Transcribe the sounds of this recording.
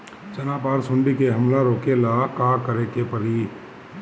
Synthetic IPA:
t͡ʃɐnapaːɾsʊ̃ɳɖikeɦɐmlaɾoːkelakaːkɐɾekepɐɾi

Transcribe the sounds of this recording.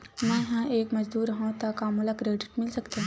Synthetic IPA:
mɛ̃ɦãʔeːkmɐd͡ʒd̪uːɾɐɦãt̪akaːmʊlakɾeːɖɪʈmɪlsɐkt̪eɦɛ̃

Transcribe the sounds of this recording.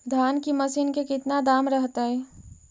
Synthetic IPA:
d̪ʱaːnkimɐsinkekɪt̪nad̪aːmɾəɦt̪aɦɛː

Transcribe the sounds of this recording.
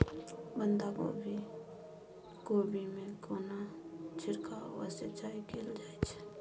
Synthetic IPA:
bənd̪ako̰bʱi | kobʱimẽkonat͡ʃʰɪɾkawə̰set͡ʃaːikeld͡ʒaːet͡ʃʰ

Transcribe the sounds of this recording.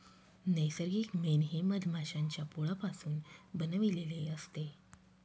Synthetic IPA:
nəjsəɾɡiːkmenɦeməd̪ʱmʱaɕaɲt͡ɕjapuɭapasuːnbənəʋileleəst̪e

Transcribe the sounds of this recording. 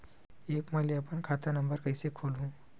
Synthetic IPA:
eːkməliɐpənkʰat̪anəmbəɾkəjsekʰolũ

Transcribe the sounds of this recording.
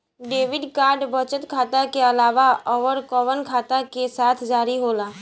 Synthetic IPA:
ɖeːʋɪɖkaːɾɖbʱət͡ʃət̪kʰaːt̪akeɐlaːʋaɔːʋəɾkɔːʋənkʰaːt̪akesaːt̪ʰd͡ʒaːɾiɦoːlaː

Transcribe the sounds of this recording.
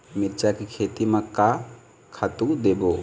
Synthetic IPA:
miɾt͡ʃakikʰeːt̪imaka | kʰat̪ud̪ebo

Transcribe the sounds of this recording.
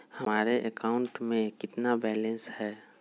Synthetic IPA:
hɐmaːɾeʔekaːʊ̃ɳʈmẽkɪt̪nabɛːlɛ̃nshɛː

